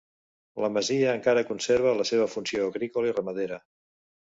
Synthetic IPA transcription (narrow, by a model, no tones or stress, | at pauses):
ləməziəːŋkaɾəkunseɾβ̞ələseβ̞əfunsioːɣɾikoləirəməðeɾə